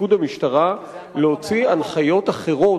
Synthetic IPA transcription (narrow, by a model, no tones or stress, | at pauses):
ud̪amiʃt̪aʁa | leho̞t͡sianχajo̞t̪aχe̞ʁo̞